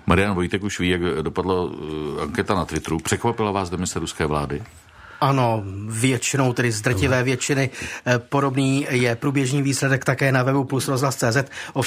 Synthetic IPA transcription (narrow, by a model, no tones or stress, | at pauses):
maɾɪjanvojt̪ɛkuʃviːjaɡdopadlaaŋkɛt̪anat̪vɪt̪ɾupr̝̥ɛkvapɪlavaːsdɛmɪsɛɾuskɛːvla̰ːdɪ | ʔano̞vjɛt͡ʃɪnowt̪ɛdɪzd̪r̩cɪvɛːvjɛt͡ʃɪnɪpo̞do̞bniːjɛpɾuːbjɛʒɲiːviːslɛdɛkt̪akɛːnavɛbuplusɾozɦlast͡sɛːzɛt̪ʔo